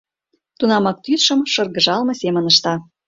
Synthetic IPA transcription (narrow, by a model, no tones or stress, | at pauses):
t̪unɑmɑk̚t̪yt̪ʃə̆mʃɤ̆rɣə̆ʒɑlmɤ̆semə̆nə̆ʃt̪ɑ